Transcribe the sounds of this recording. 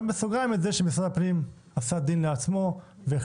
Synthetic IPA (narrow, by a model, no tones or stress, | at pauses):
mesuɡamet̪zeʃemisʁad̪apnim | asad̪inleat͡smo̞ | ve